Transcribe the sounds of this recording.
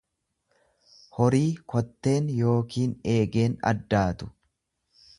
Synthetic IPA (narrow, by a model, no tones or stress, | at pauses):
hɔɾiːkʰɔt̪ːe̞ːnjo̞ːkiːne̞ːɡe̞ːnɐ̰d̪ːaːt̪ʊ̥